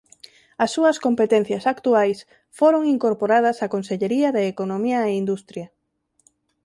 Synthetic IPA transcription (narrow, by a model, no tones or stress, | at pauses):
ɐsːuɐskompet̪ẽn̟θjɐsakt̪uajs | foɾoŋiŋkoɾpoɾað̞ɐsakonseʎeɾiɐðeːkonomiɐeind̪ust̪ɾjɐ